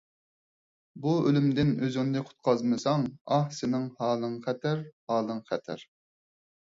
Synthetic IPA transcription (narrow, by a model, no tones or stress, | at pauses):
buølymd̪ɪnøzɪŋnd̪ɨqʰʊ̥t̪̚qʰɑzmɨsɑŋɑhsɪnɪŋhɑːlˠɨŋχɛt̪ʰæɾhɑːlˠɨŋχɛt̪ʰæ̰ɾ